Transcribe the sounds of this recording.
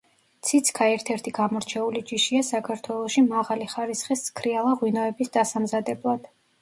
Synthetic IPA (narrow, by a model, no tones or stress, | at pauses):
t̪sʰit̪sʰkʰaɛɾt̪ʰɛɾt̪ʰiɡ̥amɔɾt͡ʃʰɛulid͡ʒiʃiasakʰaɾt̪ʰwɛlˠɔʃimaʁaliχaɾisχiskʰɾialˠaʁwinɔɛbisd̪asamzad̪ɛblˠad̪̥